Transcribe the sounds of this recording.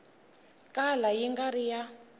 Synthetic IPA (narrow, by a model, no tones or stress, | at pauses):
kalajiŋɡaɾija